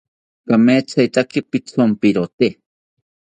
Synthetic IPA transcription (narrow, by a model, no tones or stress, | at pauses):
kameːt͡sʰajt̪akipit͡sʰompiɾot̪e